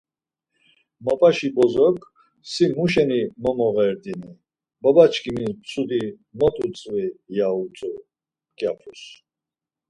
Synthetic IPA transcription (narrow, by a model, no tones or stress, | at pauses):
mɔpʼaʃibɔzɔkʰʼ | simuʃɛnimɔmɔɣɛɾd̪ini | bɔbat͡ʃʰkʰʼimit͡sʰʼud̪i | mɔt̪ʼut͡sʼvijaut͡sʼu | kʼjapʰɾus